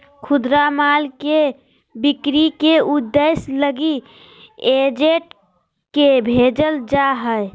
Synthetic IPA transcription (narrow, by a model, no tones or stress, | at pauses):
kʰud̪ɾamalke | bikɾikeud̪ːesləɡi | ed͡ʒeʈ | kebʱed͡ʒəld͡ʒaɦəj